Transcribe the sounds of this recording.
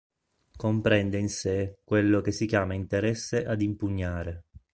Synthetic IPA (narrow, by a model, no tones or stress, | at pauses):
kompɾɛnd̪einsekwelːok̟esːikjaːmaint̪eɾɛsːeʔad̪impuɲːaːɾe